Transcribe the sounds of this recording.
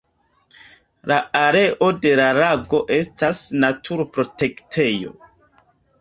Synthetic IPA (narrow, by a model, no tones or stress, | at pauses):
laaɾe̞ʔo̞de̞laɾaɡo̞ʔe̞stasnatʰuɾpɾo̞te̞ktʰe̞jo̞̰